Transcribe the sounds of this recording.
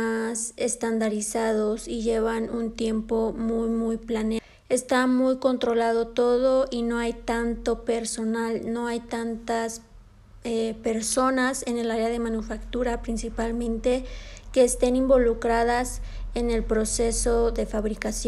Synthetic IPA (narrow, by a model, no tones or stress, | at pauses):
asest̪and̪aɾisaðosiʝeβanunt̪je̞mpomujmujplane | est̪amujko̞nt̪ɾo̞laðo̞t̪o̞ðoʔinoajt̪ant̪o̞peɾso̞nalno̞ajt̪ant̪as | epe̞ɾso̞nase̞ne̞laɾeaðe̞mãnufakt̪uɾapɾinsipalmẽ̞nt̪eke̞ːst̪e̞nimbo̞lukɾaðase̞ne̞lpɾo̞seso̞ðe̞faβɾikasjo